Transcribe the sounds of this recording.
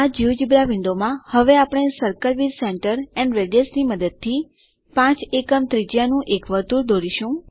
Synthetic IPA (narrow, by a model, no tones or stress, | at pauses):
ad͡ʒiʋd͡ʒibɾaʋɪ̃ɳɖ̪omãhəʋeapɽ̃esəɾkəɾʋiɾseɳʈəɾɛnʋeɖesniməd̪əd̪̚t̪ʰi | pãt͡ʃekəmt̪ɾid͡ʒjanũʔekʋəɾt̪uɾd̪oɾiʃũ